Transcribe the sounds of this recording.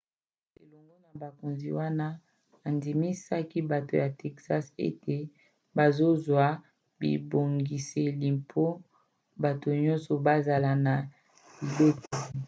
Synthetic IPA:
ḛ˨lɔ˨ŋɡo˦na˨ba˨ko˨nzi˨wa˦na˦ | a˨ndi˨mi˦sa˦ki˦ba˨to˨ja˨tɛ˨ksa˦sḛ˦te˨ | ba˨zo˦zwa˦ | bḭ˨bo˨ŋɡi˨se˨li˨mpʰo˦ | ba˨to˨ɲɔ̃˦nsɔ˨ba˦za˨la˨na˨ | li˨be˦ko˨

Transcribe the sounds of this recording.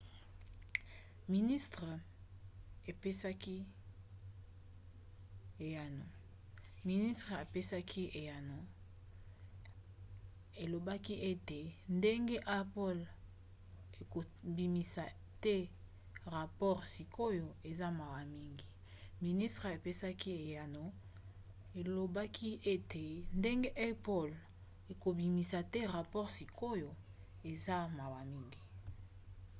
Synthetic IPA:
mi˨ni˦stʁe˨ | e˨pe˦sa˦ki˦ | e˨ja˨no˨ | mi˨ni˦stʁe˨a˨pe˦sa˦kʰi˦e˨ja˨no˨ | e˨lo˨ba˦ki˦ʔe˦te˨nde˦ŋɡe˦ʔa˦pɔ˦l | e˨ko˨ | bi˨mi˨sa˨ | tɛ˦ | ʁa˨pɔ˦ʁsi˨kʰo˦jo˨e˨za˦ma˨wa˨mi˦ŋɡi˨ | mi˨ni˦stʁe˨e˨pe˦sa˦ki˦e˨ja˨no˨ | e˨lo˨ba˦kʰi˦e˦te˨nde˦ŋɡe˦ʔe˦po˦l | e˨ko˨bi˨mi˨sa˨te˦ʁa˨pɔ˦ʁsi˨kʰo˦jo˨ | e˨za˦ma˨wa˨mi˦ŋɡi˨

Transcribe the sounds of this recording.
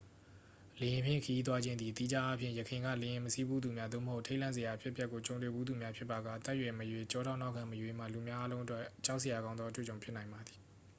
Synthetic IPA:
le˨jɪ̃˨mpʰjɪ̰̃˦˨kʰəji˦t̪̬wa˦d͡ʑɪ̃˦nd̪ði˨t̪i˦d͡ʑa˦ʔa˦pʰjɪ̃˦˨jəkʰɪ̃˨ŋɡä̰˦˨lẽ˨jɪ̃˨məsi˦bu˦d̪u˨mja˦d̪o̰˦˨məho˦ʊʔtʰe˦ɪʔlã˦˨ze˨ja˨pʰjɪ˦ʔpjɛ˦ʔkːo˨t͡ɕõ˨ʊ̃nt̪we˨bu˦d̪u˨mja˦pʰjɪ˦pːa˨ɡa̰˦˨t̪ɛ˦ʔjwɛ˨məjwe˨t͡ɕɔ˦ɾʰa˦˨na˦ʊkʰã˨məjwe˨m̥a̰˦˨lu˨mja˦ʔa˦lõ˦ʊ̃ʔə˦twɛ˦t͡ɕa˦ʊʔse˨ja˨ɡã˦ʊ̃nd̪ðɔ˦ʔətwḛ˦˨t͡ɕõ˨ʊ̃mpʰɪ˦ʔna˨ɪ̃mba˨d̪ði˨

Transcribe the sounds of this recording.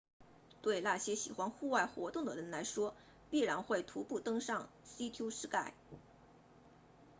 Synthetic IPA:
t̪we˥˧ɪna˥˩ɕjɛ˥ɕi˨˩xwa˥nxu˥˧wa˥˩ɪxwɔ˧˥t̪ʊ˥˩ŋd̪ə˩ɻə˧˥nla˧˥ɪʂwɔ˥ | pi˥˩ɻa˧˥nxwe˥˩ɪt̪ʰu˧˥pu˥˩t̪ɤ˥ŋʂɑ˥˩ŋ | si˥t̪ʰju˥ʂɻ̩˥ka˥˩ɪ

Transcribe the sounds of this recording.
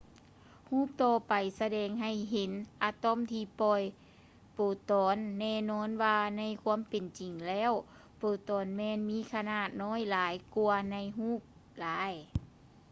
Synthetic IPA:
huː˧˥˩p̚t̪ɔː˧pa˨˩jsa˧dɛː˧˩ŋɦa˧˨˩jɦe˨˦nʔa˧t̪ɔ˧˥˨mt̪ʰiː˧pɔ˧˩j | poː˨˩t̪ɔː˨˦nːɛː˧˨nɔː˧˥˨nwaː˧na˧˥˩jkʰuː˧˥ə˨mpe˨nt͡ɕi˨˩ŋlɛː˧˥˨w | poː˨˩t̪ɔː˨˩nmɛː˧˨nmiː˧˥˨kʰa˧naː˧˩t̪̚nɔː˧˥˨jlaː˨˦jku˧ɐna˧˩˨jɦuː˧˥˨p̚ | laː˨˦j

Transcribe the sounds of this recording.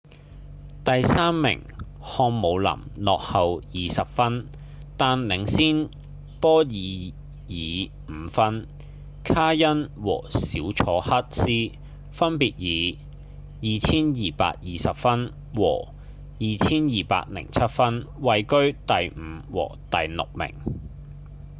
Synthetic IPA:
t̪ɐ˨jsaː˥mːɪ̰˨˩ŋ | hɔː˧ŋmo˨˧wlɐ̰˨˩mlɔː˨k̚hɐ˨wjiː˨sɐ˨p̚fɐ˥n | t̪aː˨nlɪ˨˩˥ŋsiː˥n | pɔː˥jiː˨˧ | jiː˨˧ | m̩˨˧fɐ˥n | kʰaː˥jɐ˥nwɔ̰ː˨˩siː˨˥wt͡sʰɔː˨˥hɐ˥t̚siː˥ | fɐ˥npiː˨t̚jiː˨˧ | jiː˨t͡sʰiː˥njiː˨pa̰ː˧k̚jiː˨sɐ˨p̚fɐ˥n | wɔ̰ː˨˩ | jiː˨t͡sʰiː˥njiː˨pa̰ː˧k̚lɪ̰˨˩ŋt͡sʰɐ˥t̚fɐ˥nwɐ˨jkɵ˥ɥt̪ɐ˨jm̩ː˨˧˦wɔ̰ː˨˩t̪ɐ˨jlʊ̰˨k̚mɪ̰˨˩ŋ

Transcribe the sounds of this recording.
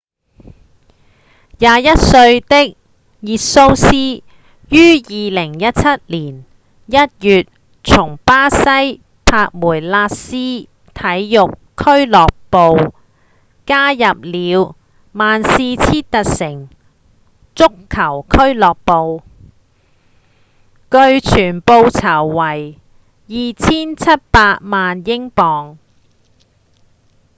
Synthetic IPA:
jaː˨˧jɐ˥t̚sɵ˧ɥt̪ɪ˥k̚ | jiː˨t̚so˥wsiː˥ | jyː˥jiː˨˧lɪ˨˩ŋjɐ˥t̚t͡sʰɐ˥t̚liː˨˩n | jɐ˥t̚jyː˨t̚ | t͡sʰʊ˨˩ŋpaː˥sɐ˥j | pʰaː˧k̚muː˨˩jlaː˧t̚siː˥ | t̪ʰɐ˨˥jːʊ˨kʰːɵ˥ɥlɔː˨k̚po˨˧w | kaː˥jɐ˨p̚liː˨˧w | maː˨nsiː˧t͡sʰiː˥t̪ɐ˨t̚sɪ˨˩ŋ | t͡sʊ˥kʰːɐ˨˩wkʰɵ˥ɥlɔː˨k̚po˨˧w | kɵ˧ɥt͡ʃʰyː˨˩npo˧wt͡sʰɐ˨˩wːɐ˨˩j | jiː˨t͡sʰiː˥nt͡sʰɐ˥t̚paː˧t̚maː˨njɪ˥ŋpɔː˨ŋ

